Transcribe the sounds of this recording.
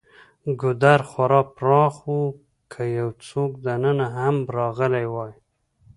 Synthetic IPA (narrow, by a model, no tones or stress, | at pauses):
ɡʊd̪aɾχwaɾɑpɾɑχwu | kʰajawt͡sokd̪anənaɦambɾɑɣəlajwɑj